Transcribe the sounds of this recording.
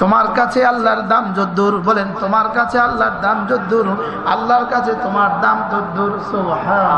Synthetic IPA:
t̪omaɾkat͡ɕʰealːaɾd̪amd͡ʒod̪ːuɾbɔlent̪omaɾkat͡ɕʰealːaɾd̪amd͡ʑod̪ːuɾ | a̰lːaɾkat͡ɕʰet̪omaɾd̪amd͡ʒod̪ːuɾsobha

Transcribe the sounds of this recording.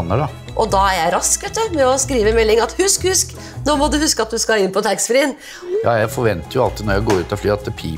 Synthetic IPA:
nːəɖɑ | ʔɔd̪ɑæɾjæɪɾɑskʋɛt̪ːəmɛɔskɾiːʋəmɛlːɪŋɑt̪hʉskhʉsk | noːmɔd̪ʉhʉskəɑt̪̚d̪ʉskɑɪnːpʰɔt̪ʰæksfɾiːn | jɑ̰ːjæɪfɔɾʋɛnt̪əɾjʊɑt̪nɔɾjæɪɡoːɾʉːt̪ɔflyːɑt̪̚d̪ɛpʰḭː

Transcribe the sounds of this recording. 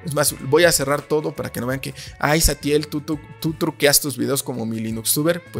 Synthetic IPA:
ezmasbo̞jase̞raɾt̪o̞ðo̞paɾa̰keno̞βeaŋkeajsat̪je̞lt̪ut̪ut̪ut̪ɾukeast̪uzβiðe̞osko̞mo̞milinuksuβe̞ɾpwe

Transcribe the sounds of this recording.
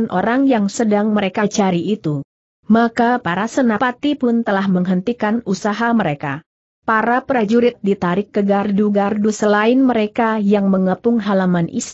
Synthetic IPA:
nʔoɾaŋjaŋsədaŋməɾekat͡ʃaɾiʔit̪u | makapaɾasənapat̪ipʊnt̪əlahməŋɦənt̪ikanusaɦaməɾeka̰ | paɾapɾad͡ʒuɾɪt̪̚dit̪aɾɪkːəɡarduɡardusəlaɪnməɾekajaŋməŋəpʊŋɦalamanʔḭs

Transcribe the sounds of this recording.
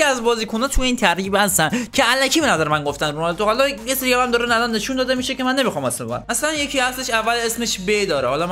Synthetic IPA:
iæzbɒːziːkʰonɒːt̪ʰujeiːnt̪ʰæɾɾiːbhæst̪æncʰeælæcʰiːbenæzæɾemænɡoft̪ænɾumɒled̪oɣælɒjeseɾijɒːæmd̪ɒɾenælɒnːe̞ʃund̪ɒːd̪emiːʃece̞mænːemixɒːmesmeæ̰næslænje̞cʰihæsleʃævːælesme̞ʃbed̪ɒːɾehɒlɒ

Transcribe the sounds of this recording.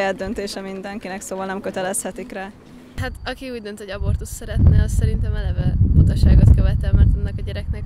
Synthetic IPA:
jad̪ːønt̪eːʃɛmind̪ɛŋkinɛksoːvɒlnɛmkøt̪ɛlɛshɛt̪ikraː | hat̪ɒkiuːɟd̪ønt̪hoɟɒbo̞rt̪ut̪sɛɾɛt̪nɛɒssɛɾint̪ɛmɛlɛvɛut̪ɒʃaːɡot̪køvɛt̪ɛlmɛrt̪ɒnːɒkɒɟɛɾɛknɛk

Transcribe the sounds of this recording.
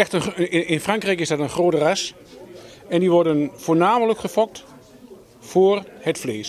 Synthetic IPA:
ɛxtəɪnfraŋkrɛjkɪzsdɑtənχroːtəras | ɛndiʋɔɹdənfoːɹnaːmələkχəfɔk̚t | foːrhətfleːs

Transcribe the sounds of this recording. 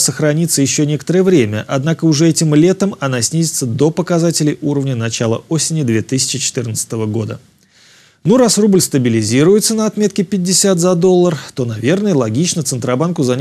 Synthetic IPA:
səxɾɐnʲit̪səjɪɕːonʲe̞kət̪əɾəjəvɾʲemʲə̰ʔɐd̪nakəʊʐɛɛtʲɪmlʲe̞t̪əmɐnasʲnʲizʲɪt̪səd̪o̞pəkɐzatʲɪlʲɪjʔuɾəvnʲənɐt͡ɕalˠə̰o̞sʲɪnʲɪd̪vʲe̞t̪ɨsʲɪ̥t͡ɕɪt͡ɕɪ̥t̪ɨrnət̪sə̥t̪əvəɡo̞d̪ə | nuɾasrublʲst̪əbʲɪlʲɪzʲiɾʊjɪt̪sənəɐt̪mʲe̞t̪kʲɪpʲɪdʲːɪsʲat̪zɐd̪o̞lˠːərt̪o̞nɐvʲe̞rnəjəlˠɐɡʲit͡ɕnət̪sɨnt̪ɾɐbankʊzɐnʲ

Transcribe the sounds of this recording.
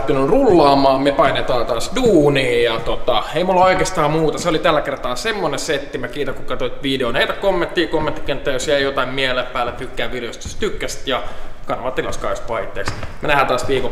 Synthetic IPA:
t̪ːinurulːɑːmɑːmmepɑinet̪ɑːnt̪ɑːsduːniːjɑt̪ot̪ɑeimulːoikest̪ɑːmmuːt̪ɑseolit̪ælːækert̪ɑnɑsemːoneset̪ːimækiːt̪ækukɑt̪oit̪ʋideoneit̪ækomːẽnt̪ːiːkomːent̪ːi̥kent̪ːæːjosjæijot̪ɑimmieleppæːlːet̪ykːæːʋiljost̪y̥st̪ykːæst̪jɑkɑnːoʋɑt̪ːilɑ̰skɑ̰spɑit̪ːˑeːksmenæhæːt̪ɑːsʋiːko

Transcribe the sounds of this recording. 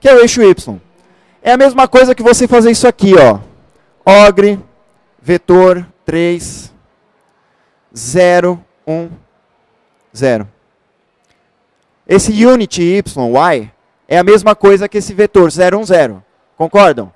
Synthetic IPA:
kɪewejʃʊipslõ̰w̃ | ɛɐmezmɐkojzɐkɪvosefazeɾisʊakiɔ | ɔɡɾɪ | vet̪oɾt̪ɾejs | zɛɾʊ | ũ | zɛɾʊ̰ | esɪjũnit͡ʃɪipslõw̃waj | ɛɐmezmɐkojzɐkɪesɪvet̪oɾzɛɾʊũzɛɾʊ̰ | kõkɔɾd̪ɐ̃w̃

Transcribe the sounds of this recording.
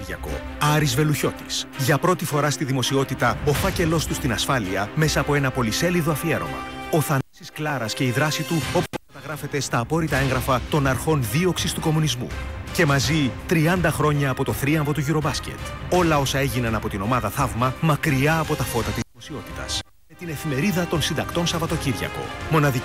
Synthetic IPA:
ɾʝɐko̞̰ɐɾizve̞luço̞t̪i̥sʝɐpɾo̞t̪ifo̞ɾɐst̪iðimo̞sio̞t̪it̪ɐo̞fɐce̞lo̞st̪ust̪inɐsfɐliɐme̞sɐːpo̞e̞nɐpo̞lise̞liðo̞ɐfie̞ɾo̞̰mɐ̰o̞θɐnosisklɐɾɐsce̞iðɾɐsit̪uo̞pupkɐt̪ɐɣɾɐfe̞t̪e̞st̪ɐːpo̞ɾit̪ɐe̞ŋɣɾɐfɐt̪o̞nɐɾxo̞nðio̞ksist̪uko̞munizmṵce̞mɐzit̪ɾiɐnd̪ɐxɾo̞ɲɐːpo̞t̪o̞θɾiɐmvo̞t̪uʝiɾo̞bɐsce̞̰t̪o̞lɐo̞sɐe̞ʝinɐnɐpo̞t̪ino̞mɐðɐθɐvmɐmɐkɾiɐːpo̞t̪ɐfo̞t̪ɐt̪izðimosio̞t̪i̥t̪ɐ̰s | me̞t̪ine̞fime̞ɾiðɐt̪o̞nsind̪ɐkt̪o̞nsɐvɐt̪o̞ciɾʝɐ̰ko̞̰mo̞nɐði

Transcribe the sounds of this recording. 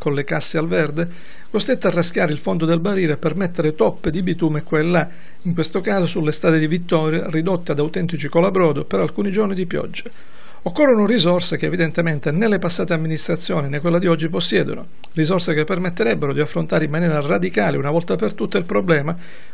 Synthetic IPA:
konlekasːealvɛrd̪e | kost̪ɾet̪ːarːask̟jaːɾeilfond̪od̪elbariːɾoepːermet̪ːeɾet̪ɔpːed̪ibit̪uːmkːwelːa | iŋkwest̪okaːzosulːest̪aːt̪ed̪ivit̪ːɔɾjarid̪ot̪ːead̪awt̪ɛnt̪it͡ʃikolabɾɔːd̪opeɾalkuːnid͡ʒornid̪ipjɔ̰d͡ʒːa | okːorːonorizɔrsekḛːvid̪ent̪ement̪enelːepasːaːt̪eamːinist̪ɾat̪sːjoːninekːwelːad̪iɔd͡ʒːiposːjɛ̰ːd̪o̰no̰ | rizɔrsekepːermet̪ːeɾɛbːeɾod̪iafːɾont̪aːɾeimːanjɛːɾarad̪ikaːleunavɔlt̪apert̪ut̪ːailpɾoblɛːma

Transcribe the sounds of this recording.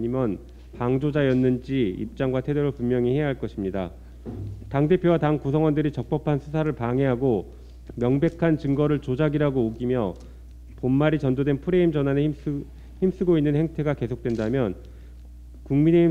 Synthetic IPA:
ɲimjʌn | paŋd͡ʑod͡ʑajʌnːɯnd͡ʑiḭp̚t͡ɕ͈aŋɡwatʰe̞djʌɾoɭpummjʌŋihe̞jaɦaɭk͈ʌɕʰimɲida | taŋde̞pʰjowataŋkus̬ʰʌŋwʌndɯɾit͡ɕʌk̚p͈ʌpʰansʰusʰaɾɯɭpaŋe̞ɦaɡo | mjʌŋbe̞kʰant͡ɕɯŋɡʌɾɯɭt͡ɕod͡ʑaɡiɾaɡoːɡimjʌ | ponmaɾit͡ɕʌndodwe̞npʰuɾe̞imd͡ʑʌnɦanei | çims͈ɯɡoinːɯnhe̞ŋtʰe̞ɡake̞sʰok̚t͈we̞ndamjʌn | kuŋmine̞i

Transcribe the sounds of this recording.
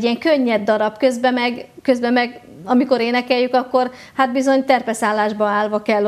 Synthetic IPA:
iɛŋkøɲːɛd̪ːɒɾɒbkø̞zbɛmɛɡkø̞zbɛmɛɡ | ɒmiko̞ɾeːnɛkɛjːykɒkːo̞r | hat̪̚bizo̞ɲt̪ɛrpɛsaːlːaːʒbɒaːlvɒkɛlː

